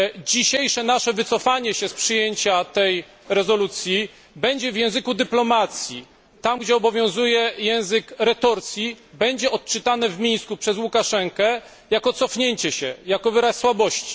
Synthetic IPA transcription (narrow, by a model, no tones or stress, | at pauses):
d͡ʑiɕejʂɛnaʂɛvɘt̪sɔfaɲɛɕɛspʂɨjeɲt͡ɕat̪ɛj | ɾɛzɔlut̪sʲji | bɛɲd͡ʑɛvjɛ̃w̃zɘkud̪ɘplɔmat̪sʲji | t̪amɡd͡ʑɛɔbɔvʲjɔ̃w̃zujɛjɛ̃w̃zɘkɾɛt̪ɔɾt̪sʲjibɛɲd͡ʑɛɔt̪̚t͡ʂɘt̪anɛvmʲij̃skupʂɛzwukaʂɛŋkɛ | jakɔt̪sɔfɲeɲt͡ɕɛɕɛjakɔvɘɾasːwabɔɕt͡ɕi̥